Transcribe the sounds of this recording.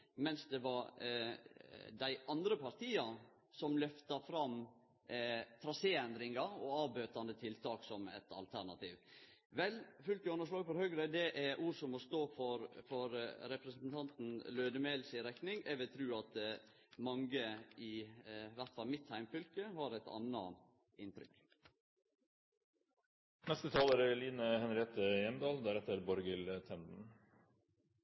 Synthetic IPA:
mɛnsd̪ɛʋɑɾ | d̪æɪʔɑnd̪ɾəpʰɑɾt̪ʰiːɑ | sɔmlœft̪ɑfɾɑm | t̪ʰɾɑseːɛnd̪ɾɪŋɑɔ̰ɑːbøːt̪ɑnd̪ət̪ʰɪlt̪ʰɑːksɔmɛ̰t̪ɑ̰lt̪ʰæɾɳɑt̪ʰḭːʋ | ʋɛlfʉlk̪əɔnːəʂlɑːɡfɔɾhœɡɾəd̪ɛʔæɾʔuːɾsɔmɔst̪oːfɔɾfɔɾɾɛpɾɛsnn̩t̪ʰɑnt̪n̩løːd̪əmeːlsɪɾɛknɪŋɛʋɪt̪ʰɾʉːɑt̪ | mɑŋɡəɪʋæɾt̪fɑlmɪt̪hæɪmfʏlkəhɑɾæt̪ɑ̰nːɑ̰ | ɪnt̪ʰɾʏ̰k | nɛst̪ət̪ʰɑːləɾəliːnəhɛnɾɪeːt̪əjɛnd̪ɑːld̪æɾɛt̪ːəɾbɔɾɡələt̪ʰɛnd̪n̩

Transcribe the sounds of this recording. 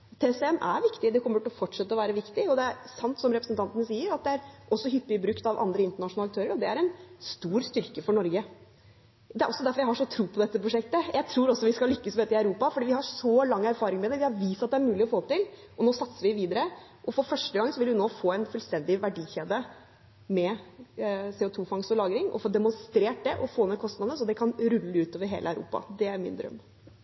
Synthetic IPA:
t̪ʰesɛnːʔæ̰ɾʋɪkt̪ɪd̪ɛkʰɔmːəʈɪɔfɔʈʂɛt̪ːəɔʋæːɾəʋɪkt̪ɪɔd̪ɛæɾsɑnt̪sɔmɾɛpɾəsnt̪ʰɑnt̪ənəsiːəɾɑt̪̚d̪ɛæɾʔɔsːɔɦʏpːɪɪbɾʉkt̪ɑʋʔɑ̰nd̪ɾəɪnt̪əɳɑʂʊnlɑk̚t̪ʰøːɾəɾɔd̪ɛæɾɛnst̪uːɾst̪ʏɾkəfɔɳɔɾɡə | d̪ɛæɾɔsːɔd̪æɾfɔɾjæɪhɑʂɔt̪ʰɾuːpʰɔd̪ɛt̪ːəpɾʊʂɛk̚t̪əjæɪt̪ʰɾuːɾɔsːɔʋɪskɑlʏkːəsmɛeːt̪ːɪɑʉɾuːpɑfɔɖiːʋɪhɑʂɔlɑŋːæɾfɑːɾɪŋmɛd̪ɛʋɪhɑɾʋiːsɑt̪̚d̪ɛæɾmʉːlɪɔfoːt̪ɪl | ʔɔnoːsɑt̪səɾʋɪʋiːd̪əɾə | ʔɔfɔɾfœʂʈəɡɑŋːsɔʋɪlʉnoːfoːæɪnfœlst̪ɛnd̪ɪʋæɖiːçeːd̪ə | mɛ | seːʊt̪ʰuːfɑŋsɔlɑːɡɾɪŋɔ̰foːd̪ɛmʊnst̪ɾeːʈ̚d̪ɛʔɔfoːnɛkʰɔst̪nɑd̪əsɔd̪ɛkʰɑnɾʉlːəʉːt̪oːʋəɾɦḛːlʔəæʉɾṵːpɑ̰d̪ɛæɾmɪ̰nd̪ɾœ̰mː

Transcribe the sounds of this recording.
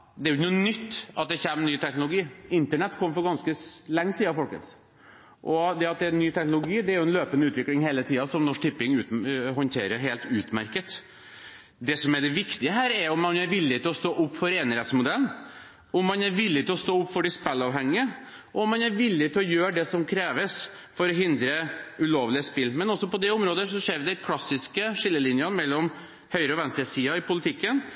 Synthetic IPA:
d̪ɛæɾʊçnʊnʏt̪ːɑ̰t̪̚d̪ɛçɛmːnyːt̪ʰɛknʊlʊɡiːɪnt̪əɳɛt̪ːkʰɔmːəfɔɾɡɑnskəlɛŋːəsiːɑfɔlkə̰s | ʔɔd̪ɛɑt̪̚d̪ɛnyːt̪ʰɛknʊlʊɡiːd̪ɛæɾjʊɛnløːpənəʉːt̪ʋɪklɪŋheːlət̪ʰiːɑsɔmnɔʂt̪ɪpːɪŋʉːt̪ɦɔnt̪ʰeːɾəɾɦeːlt̪ʉːt̪mæɾkət̪ | d̪ɛsɔmæɖɛʋɪkt̪ɪəɦæːɾæɾʊmːɑnæɾʋɪlːɪt̪ɪlɔst̪oːʔʊpːfɔɾeːnɾɛt̪smʊd̪ɛlən | ɔmːɑnæɾʋɪlːɪt̪ʰɪlɔst̪oːʊpːfɔɖɪspɛlːɑːʋɦɛŋːɪə | ʔɔɔmːɑnæɾʋɪlːɪt̪ʰɪlɔjøːɖɛsɔmkʰɾeːʋəs | fɔɾɔɦɪnd̪ɾəʉloːʋlɪəspɪlːmɛnɔsːɔpɔd̪ɛʊmɾoːd̪əʂɔʂeːɾʋd̪ɛkʰlɑsːɪskəʂɪlːəlɪnjɑnmɛlːɔm | hœʏɾəɔʋɛnst̪ɾəsiːɑɪpʰʊlət̪ʰɪkːən

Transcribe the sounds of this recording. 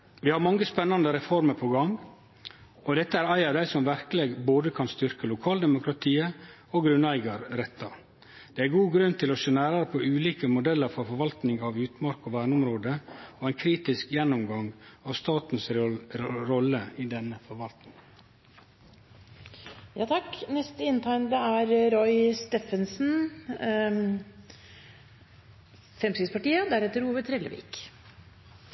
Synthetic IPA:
ʋiːhɑɾmɑŋːəspɛnːɑnd̪əɾɛfɔɾməɾpʰɔɡɑŋ | ʔɔd̪ɛt̪ːəæɾɑɪɑɾd̪æɪsɔmʋæɾkəleːɡboːd̪əkʰɑnst̪ʏɾkəlʊkʰɑːld̪ɛmʊkɾɑt̪ʰiːə | oɡɾʉnæɪɡɑɾɾɛt̪ːɑ | d̪̥ɛːæɾɡuːɡɾʉnt̪ʰɪlɔseːnæːɾɑɾpʰoʉːliːkəmʊd̪ɛlːəɾfɔɾfɔɾʋɑlt̪nɪŋɑʋjʉːt̪mɑɾkɔʋæːɳəʊmɾoːd̪əoːæɪnkʰɾiːt̪ɪskjɛnːɔmɡɑŋɑːʋst̪ɑːt̪n̩s | ɾɔləiːd̪ɛnəfɔɾʋɑlt̪nɪŋ | jɑːt̪ʰɑknɛst̪əɪnt̪ʰɑɪnd̪əæɾɾɔʏst̪eːfənsn̩ | fɾɛmskɪspɑʈiːəɔd̪æɾɛt̪ːəɾuːʋəɾt̪ʰɾɛːlə̰ʋḭːk

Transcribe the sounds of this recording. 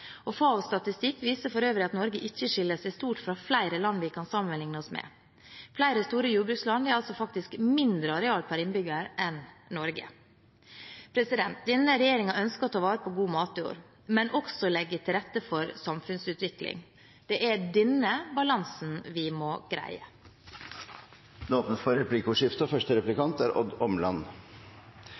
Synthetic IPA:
ɔfɑːɔst̪ɑt̪ɪst̪ɪkːʋiːsəfɔɾøːʋɾɪɑt̪nɔɾɡəʔɪçːəʂɪlːəsæɪst̪uːʈfɾɑflæɪɾəlɑnːʋɪkʰɑnsɑmːənmɛlɪŋnəɔsmɛ̰ | flæɪɾəst̪uːɾəjuːbɾʉːkslɑnd̪ɛæɾɑlsɔfɑkt̪ɪskmɪnd̪ɾəɑɾɛɑːlpʰæɾɪnbʏɡəɾʔɛnnɔɾɡə̰ | pʰɾɛsɪd̪ɛnt̪̚d̪ɛnːəɾɛjeːɾɪŋɑœnskəɔt̪ʰɑːʋɑːɾəpʰɔɡuːmɑːt̪ɪo̰ːɾ | mɛnʔɔksɔlɛɡːət̪ʰɪlɾɛt̪ːəfɔɾsɑmfʉnsʉːt̪ʋɪklɪ̰ŋ | d̪̥ɛʔæɖɛnːəbɑlɑnsn̩ʋɪmɔːɡ̥ɾæ̰ɪə | d̪ɑːt̪nəfɔɾɾɛpliːkʊʂɪft̪əɔfœʂʈəɾɛplɪkɑnt̪æːɾʔɔd̪ɔmlɑn

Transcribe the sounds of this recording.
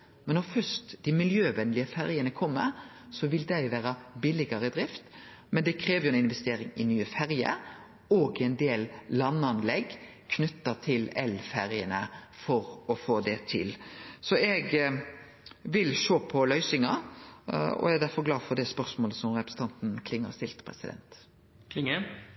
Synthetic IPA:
mɛnːɔɾfœst̪d̪̥ɪmɪljøːʋɛnlɪəfæɾjənəkʰɔmːəɾsɔʋɪld̪æɪʋæːɾɑbɪlɪɡɑɾəd̪ɾɪft̪ | mɛnd̪ɛkʰɾeːʋjʊɛnɪnʋɛst̪eːɾɪŋɪnyːəfæɾjə̰ɾ | ɔːɡɪɛnd̪eːlːɑnːɑnlɛɡ | kʰnʏt̪ːət̪ʰɪlɛlfæɾɪənəfɔɾɔfoːd̪ɛt̪ʰɪ̰lsɔɛɡ | ʋɪlʃoːpʰɔlœʏsɪŋɑ | ɔ̰ɛd̪æɾfɔɾɡlɑːdfɔd̪ɛspœɾsmoːləsɔmɾɛpɾəsn̩t̪ɑnt̪n̩kʰlɪŋːə̰ɾst̪ɪlt̪pʰɾɛ̰sɪd̪ɛ̰nt̪ | kʰlɪŋə

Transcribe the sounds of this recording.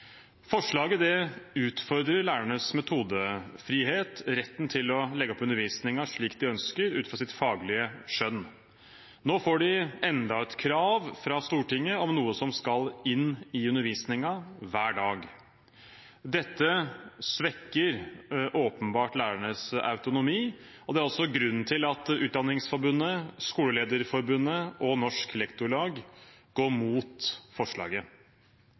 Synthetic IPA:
fɔʂɭɑːɡəd̪ɛʉːt̪fɔɾd̪ɾəɾɭæːɾæɳəsmɛt̪ʰuːd̪əfɾiːɦeːt̪ɾɛt̪ːnt̪ʰɪlɔlɛɡːɔpʉnəɾʋiːsnɪŋɑʂɭiːkd̪ɪœnskəɾʉ̰ːt̪fɾɑsɪt̪fɑːɡlɪəʂœn | noːfoːɖɪɛnd̪ɑɛt̪kʰɾɑːʋfɾɑst̪uːʈɪŋːəɔmnuːəsɔmskɑlɪnːɪʉnəɾʋiːsnɪŋɑʋæːɖɑːɡ | d̪ɛt̪ːəsʋɛkːəɾʔoːpənbɑːʈlæːɾæɳəsɑ̰ʉt̪ʊnʊmiː | ɔd̪ɛæɾɔsɔɡɾʉnːt̪ʰɪlɑt̪ʉːt̪d̪ɑnɪŋsfɔɾbʉnːəskuːləleːd̪əɾfɔɾbʉnːəʔɔnɔʂkɛlɛkt̪ʊɭɑːɡɡ̥oːɾmuːt̪fɔʂɭɑ̰ːɡə

